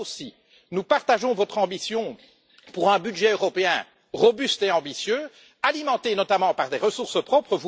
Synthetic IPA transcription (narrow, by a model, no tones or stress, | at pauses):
osi | nupaʁt̪aʒɔ̃vɔt̪χɑ̃bisjɔ̃ | puʁɛ̃byd̪ʒɛøʁɔpeɛ̰̃ | ʁɔbyst̪eɑ̃bisjø | alimɑ̃t̪enɔt̪amɑ̃paʁd̪eʁəsuʁsəpχɔpχəvu